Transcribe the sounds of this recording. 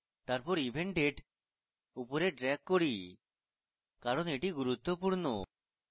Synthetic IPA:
t̪aɾpɔɾibʱeɳʈeɖ | upoɾeɖɾɛkːoɽi | kaɾoneʈiɡuɾut̪ːopuɾno̰

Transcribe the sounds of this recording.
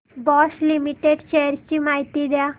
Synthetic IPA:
bɔslimiʈeɖɕejəɾt͡ɕimaɦit̪id̪ja

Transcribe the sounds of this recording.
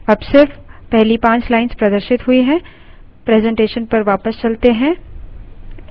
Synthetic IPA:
ɐbsɪɾfpɛɦlipãːt͡ʃlaːɪnspɾɐd̪əɾʃɪt̪ɦʊiɦɛ̃ | pɾɛːzɛ̃ɳʈeːʃənpɐɾʋaːpəst͡ʃɐlt̪eɦɛ̃ː

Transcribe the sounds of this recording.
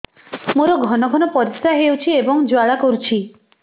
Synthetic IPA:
moɾɔɡʱɔnɔɡʱɔnɔpɔɾisɾaɦeuwt͡ʃʰiebɔŋd͡ʒoaɭakɔɾut͡ʃʰi

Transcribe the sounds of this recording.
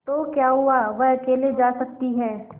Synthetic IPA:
t̪okjaːɦʊaʋɐɦɐkeːled͡ʒaːsɐk̚t̪iɦɛː

